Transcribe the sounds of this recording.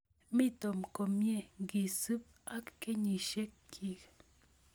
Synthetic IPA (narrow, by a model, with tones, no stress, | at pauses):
mi˦t̪o˨mko˨mje˦˨ŋɡi˨sɨ˦p̚a˦kːe˦ɲi˨ʃe˦kːʰ | i˨k